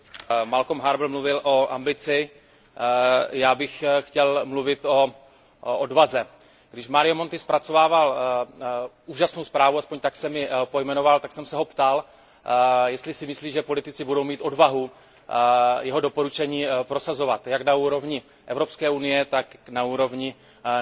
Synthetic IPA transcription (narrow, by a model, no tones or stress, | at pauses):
malkomɦaɾbl̩mluvɪlʔo̞ʔa̰mbɪt͡sɪ | jaːbɪxxcɛlmluvɪt̪o̞ | odvazɛ | ɡdɪʃmaɾɪjomo̞nt̪ɪspɾat͡so̞vaːval | uːʒasnowspɾaːvuaspoɲt̪aksɛmɪpo̞jmɛnovalt̪aksɛmsɛɦo̞pt̪al | jɛst̪lɪsɪmɪsliːʒɛpo̞lɪt̪ɪt͡sɪbudo̞wmiːt̪o̞dvaɦu | jɛɦo̞do̞po̞ɾut͡ʃɛɲiːpɾo̞sazo̞vat̪jaknauːɾo̞vɲɪ | ʔɛvɾo̞pskɛːunɪjɛt̪aknauːɾo̞vɲɪ